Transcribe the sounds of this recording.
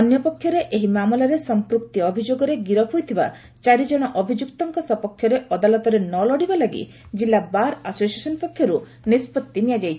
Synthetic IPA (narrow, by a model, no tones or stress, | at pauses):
ɔnjɔpɔkʰːjɔɾeʔeɦimamɔlaɾesɔmpɾukt̪iɔbʱid͡ʒoɡɔɾeɡiɾɔpʰujt̪ʰiba̰ | t͡ʃaɾid͡ʒɔɽ̃ɔʔɔbʱid͡ʒukt̪ɔŋkɔsɔpɔkʰːjɔɾeʔɔd̪alɔt̪ɔɾenɔlɔɽibalaɡḭ | d͡ʒilːabaɾasosiesɔnɔpɔkʰːjɔɾu | nispɔt̪ːinijad͡ʒajt͡ʃʰi̥